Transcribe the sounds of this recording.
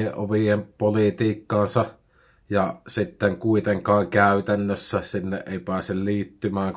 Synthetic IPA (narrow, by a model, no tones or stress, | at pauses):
eʔʔo̰ʋiempolit̪iːkːɑːnsɑ | jɑsit̪ːeŋkuit̪eŋkɑːŋkæˑyt̪ænːøsːæsinːeʔeˑipæːˑselliːt̪ːymæːŋk